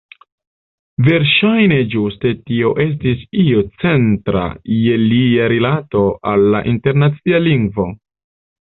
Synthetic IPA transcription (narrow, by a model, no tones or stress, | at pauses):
ve̞ɾʃajne̞d͡ʒuste̞tio̞ʔe̞s̬tisio̞t͡se̞ntɾa̰je̞liaɾilato̞ʔalːa̰ʔinte̞ɾnat͡sialiŋɡvo̞